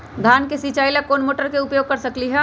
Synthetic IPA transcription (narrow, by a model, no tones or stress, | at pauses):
d̪ʱaːnkesit͡ʃaːilakoːnmoːʈəɾkeʊpjoːɡ̚kɐɾsɐkliɦɛ